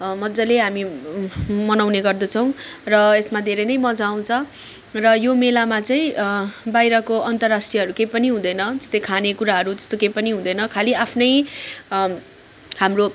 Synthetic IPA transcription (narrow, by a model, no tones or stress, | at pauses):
mʌd͡zʌleɦami | mʌnawneɡʌrd̪ʌt͡sʰʌw̃rʌesmad̪ʱeɾʌjnʌjmʌd͡zaw̃t͡sʰʌ | rʌjomelamat͡saĩbajɾʌkoʔʌnt̪ʌrːasʈrijʌɦʌɾukejpʌniɦũd̪ʌjnʌd͡zʌ̥st̪ʌjkʰanekuɾaɦʌɾut̪ʌ̥st̪okejpʌniɦũd̪ʌjnʌkʰaliapʰnʌj | hamro